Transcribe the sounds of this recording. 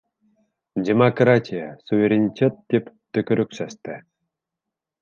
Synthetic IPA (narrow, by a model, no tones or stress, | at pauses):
dʲemɐkratʲijəsuvʲeɾʲenʲitʲet̪̚ːʲep | t̪ːɵkʲɵɾɵksæst̪ɘ